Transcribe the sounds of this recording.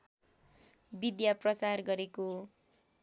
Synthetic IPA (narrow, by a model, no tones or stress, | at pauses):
bid̪japrʌt͡sarɡʌɾeko